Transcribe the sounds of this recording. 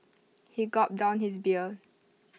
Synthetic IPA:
hiɡɔt̚dãʊ̃nhisbiə

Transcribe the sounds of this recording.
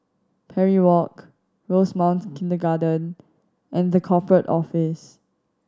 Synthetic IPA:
pʰɛɹiwɔk | ɹosmãʊ̃ntkɪ̃ndəɡadə̃n | ʔɛ̃nðəkʰɔpʰɹətɔ̰fɪs

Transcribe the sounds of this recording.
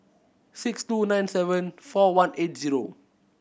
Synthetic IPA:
sikstunãjnsɛvə̃nfɔwãnʔet̚ziɹo

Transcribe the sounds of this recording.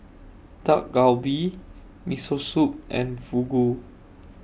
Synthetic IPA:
tak̚ɡawbi | misosup̚ʔɛ̰̃nvuɡu

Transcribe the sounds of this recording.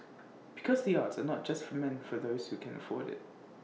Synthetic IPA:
b̥ɪkʰɔzðiɑtsənɔt̚d̥ʒ̥ʌstfəmɛ̃nfəðoʊz̥hukʰɛ̃nə̰fɔɾɪ̰t̚

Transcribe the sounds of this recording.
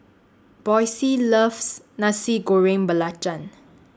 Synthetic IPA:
b̥ɔjsiləfs | nasiɡoɹẽŋbəlat͡ʃãn

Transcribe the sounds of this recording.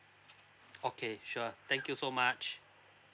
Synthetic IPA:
okʰeʃʊt̪ɛ̃ŋkjusomat͡ʃ

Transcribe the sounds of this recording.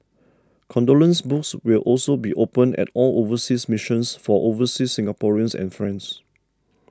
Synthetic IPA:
kʰɔ̃ndolə̃nsbukswilʔɔlsobiʔopə̃nɛ̰tɔlovəsismiʃə̃nsfɔʔovəsisːĩŋɡapɔɹiə̃nsɛ̰̃nfɹɛ̃ns

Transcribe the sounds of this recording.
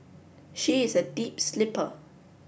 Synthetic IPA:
ʃiɪzədiːpslɪpə

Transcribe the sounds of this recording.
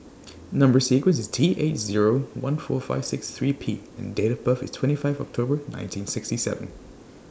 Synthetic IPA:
nʌ̃mbə˞sikwə̃nsɪztʰiːʔetziɹowʌ̃nfɔːfa̰ɪv̥sɪksθɹiːpʰḭːɛ̃ndeɪɾəvbəfɪ̰stʰwɛ̃ntifaɪvɔk̚tʰobənã̰ɪ̃ntʰĩnsɪkstisɛ̰və̃n

